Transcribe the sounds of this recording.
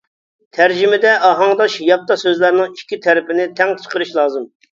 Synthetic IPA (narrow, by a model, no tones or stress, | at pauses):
t̪ʰæɾd͡ʒɪmɪd̪ɛʔɑɦɑŋd̪ɑʃjɑp̚t̪ːɑsøzlæɾnɪŋikʲːit̪ʰɛɾɪpɪnɪt̪ʰɛŋt̪ʰə̥qəɾɨʃlˠɑːzɨm